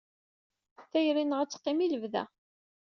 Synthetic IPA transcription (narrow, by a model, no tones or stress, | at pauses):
θæjɾinʁæt͡sːqːimiləvðæ̰